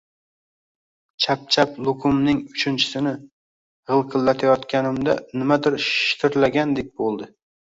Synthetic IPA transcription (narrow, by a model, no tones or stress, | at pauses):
t͡ʃʰap̚t͡ʃʰaplˠʊkʰʊmnɪŋʊt͡ʃʰɪnt͡ʃʰɪ̥sɪnɪ | ʁɨlˠqʰɨlːat̪ʰajɒt̪kʲanɪmd̪anɪmad̪ɪɾʃʃɪ̥t̪ʰɪɾlaɡʲand̪ek̚ʲbolˠd̪ɪ